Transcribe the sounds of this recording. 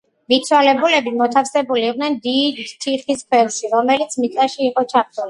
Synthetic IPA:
mit̪sʰwalɛbulɛbimɔt̪ʰafsɛbuliːqʼnɛnd̪id̪t̪ʰiχiskʰwɛlˠʃiɾɔmɛlit̪sʰmit̪sʼaʃiːqʼɔt͡ʃʰaɾt̪ʰuli

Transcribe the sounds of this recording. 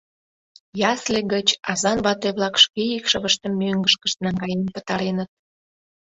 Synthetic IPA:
jɑsleɡət͡ɕɑzɑnβɑt̪ojβlɑkʃkeikʃəβəʃt̪ə̆mːøŋɡəʃkəʃt̪nɑŋɡɑjempət̪ɑɾenət̪̚

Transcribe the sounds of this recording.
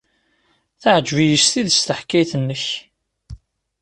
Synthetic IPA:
θaʕəd͡ʒvijəst̪iðəst̪əħkːæjθənːəç

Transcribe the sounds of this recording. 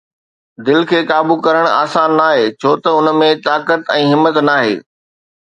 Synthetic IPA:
d̪ɪlkʰeːkaːbukɐɾəɽ̃a̰ːsaːnːaːɦeːt͡ɕʰoːt̪ɐʊnmẽt̪aːkət̪ɛ̃ːɦɪmːət̪naːɦḛː

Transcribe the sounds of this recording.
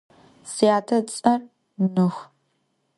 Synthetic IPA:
sijaːtʰɐt͡sʼɐr | nɨχ

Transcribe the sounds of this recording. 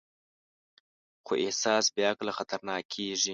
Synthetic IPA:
xo̰ʔehsɑːsbjɑːklaxat̪ʰaɾnɑːkʰeːʐi

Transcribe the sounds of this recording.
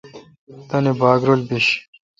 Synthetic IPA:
t̪ɐnebaːɡɾolbiɕ

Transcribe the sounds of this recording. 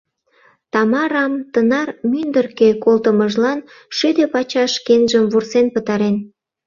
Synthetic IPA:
t̪ɑmɑɾɑmt̪ənɑrmynd̪ərkekolt̪əməʒlɑn | ʃyd̪epɑt͡ɕɑʃkenʒəmvursenpət̪ɑɾen

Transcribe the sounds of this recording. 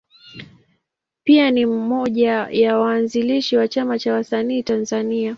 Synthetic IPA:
pianimmɔʄajawaːnziliʃiwat͡ʃamat͡ʃawasaniːtanzania

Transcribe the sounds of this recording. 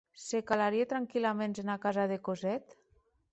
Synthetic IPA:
sekalaɾiet̪ɾaŋkilamenzenakazaðekozɛt̪

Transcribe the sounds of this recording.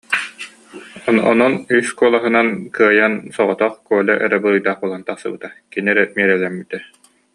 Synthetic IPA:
ɔ̰nɔnyskuɔlˠaɦɯnankɯɐjansɔʁɔt̪ɔχkuɔlʲɛʔɛɾɛbɯɾɯjd̪aːχbolˠant̪aχsɯbɯt̪akiniɛɾɛmiɛɾɛlɛmbit̪ɛ

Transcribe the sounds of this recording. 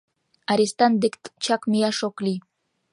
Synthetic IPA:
aɾʲist̪and̪ekt̪t͡ʃakmijaʃoklʲi

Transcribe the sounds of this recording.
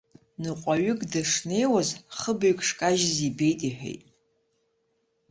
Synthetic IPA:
nɨqʷʼaɥʊkʼdaʂne̞jwazχəbaɥkʰʼʂkʼaʒɪzibe̞jtʼiħᶣḛjtʼ

